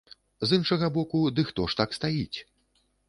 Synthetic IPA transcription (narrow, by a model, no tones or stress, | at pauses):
zɨnʂɐɣɐbɔkud̪ɨxt̪ɔʂt̪akst̪ajit͡sʲ